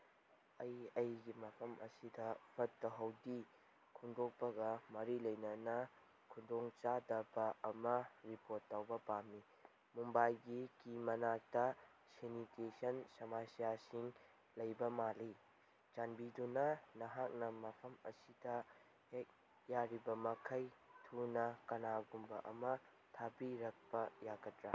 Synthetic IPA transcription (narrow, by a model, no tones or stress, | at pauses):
ɐjɐjɡimɐpʰɐmʔɐ̰sidɐpʰɐtːɐɦɐwdi | kʰuŋdok̚pɐɡɐmɐɾilɐjnɐnɐ | kʰundoŋt͡ʃadɐbɐɐmɐɾipoɾtːawbɐpamːi | mumbajɡikimɐnak̚tɐ | senitesɐnsɐmasijasiŋ | lɐjbɐmali | t͡ʃanbidunɐnɐɦak̚nɐmɐpʰɐmɐsidɐ | hek̚ | jaɾibɐmɐkʰɐjtʰunɐkɐnaɡumbɐ̰ʔɐ̰mɐ | tʰabiɾɐk̚pɐjaɡɐtɾa